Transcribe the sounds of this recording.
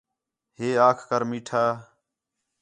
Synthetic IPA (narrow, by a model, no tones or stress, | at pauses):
ɦeːaːkʰkəɾmiːʈʰaː